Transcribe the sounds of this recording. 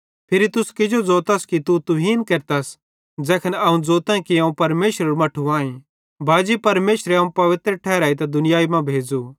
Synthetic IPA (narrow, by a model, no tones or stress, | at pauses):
pʰɪɾit̪ʊskɪd͡ʒod͡zɔːt̪ɐskit̪ut̪ʊɦiːnkeɾt̪as | d͡zɛːkʰənɐũd͡zoːt̪ãkiɐũpɐɾmeːʃɾəɾumɐʈʰuãːĩ | bʱaːd͡ʒipɐɾmeːʃɾeɐũpɐʋɪt̪ɾəʈʰɛːɾaːit̪̬ɐd̪ʊnɪjaːimãbʱeːd͡zu